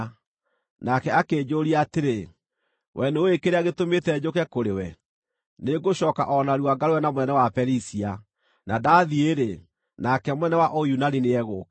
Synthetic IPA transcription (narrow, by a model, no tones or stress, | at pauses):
nakɛakeːd͡ʑoːɾiaateɾe | wʔɛneoekeɾeaɣetometɛd͡ʑokɛkoɾewɛ | neɡoɕɔːka̰ʔɔnaɾuwaɡaɾewɛnamwɛnɛwapɛɾisia | nadaːðieɾe | nakɛmwɛnɛwaʔɔjunanineɛɣok